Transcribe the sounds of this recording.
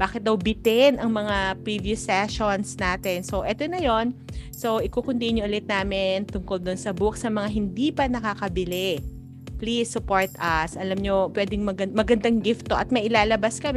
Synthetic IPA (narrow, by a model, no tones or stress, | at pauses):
b̥aːkɪt̪̚d̪ɐwbɪt̪ɛnʔɐŋmɐŋapɹivjusːɛʃonsnaːt̪ɛnso̞ʔɛt̪onɐjo̞nso̞wʔɪkukʊnt̪inʊʔʊlɪt̪̚naːmɪnt̪ʊŋkold̪ʊnsɐbuksɐmɐŋaɦɪnd̪ipɐnɐkakɐbɪlɛ | plisːʊpoɹt̪ɐsʔɐlamɲopwɛːd̪ɪŋmɐɡɐmɐɡɐnd̪aŋɡɪft̪oʔɐt̪̚mɐjʔɪlaːlɐbaskɐmɛ